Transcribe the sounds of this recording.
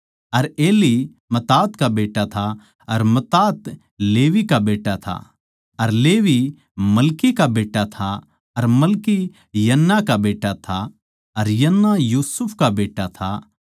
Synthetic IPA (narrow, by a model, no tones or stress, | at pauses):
ɐɾeːli | mɐt̪aːt̪kabeːʈːat̪ʰa | ɐɾmɐt̪aːt̪ | leːʋikabeːʈːat̪ʰa̰ | ɐɾleːʋi | mɐlkikabeːʈːat̪ʰa | ɐɾmɐlki | jɐnːakabeːʈːat̪ʰa | ɐɾjɐnːajuːsʊpʰkabeːʈːat̪ʰa̰